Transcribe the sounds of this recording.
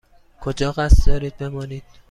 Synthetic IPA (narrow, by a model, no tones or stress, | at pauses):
kʰod͡ʒɒːɣæst̪d̪ɒːɾiːd̪̚be̞mɒːniːd̪̥̚